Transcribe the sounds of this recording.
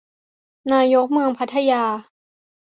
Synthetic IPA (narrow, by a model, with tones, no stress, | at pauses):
naː˧jo˦˥k̚mɯ˧əŋpʰa˦˥t̪ʰːa˧jaː˧